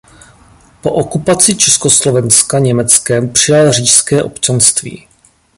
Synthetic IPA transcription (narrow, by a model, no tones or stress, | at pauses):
po̞̰ʔokupat͡sɪt͡ʃɛskoslovɛnskaɲɛmɛt͡skɛmpr̝̥ɪjalriːʃskɛːʔo̞̰pt͡ʃanst̪vḭː